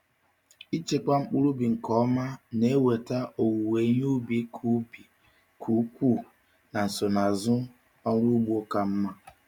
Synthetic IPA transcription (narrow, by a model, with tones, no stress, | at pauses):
i˦t͡ʃe˨kʷa˦ŋ͡m̩˦k͡pu˦ɾu˦bi˨ŋ̩˨kɔ˦ma˦ne˦we˨ta˦ʔo˨wu˨we˨˦ɲ˦u˦bi˦kʰu˦bi˨ | kʰu˨˦kʷu˦˨ | na˨n̩˨so˨na˨zʊ˦ | ɔ˦ɾu˦ɡ͡bu˦o˦ka˦m̩˦ma˦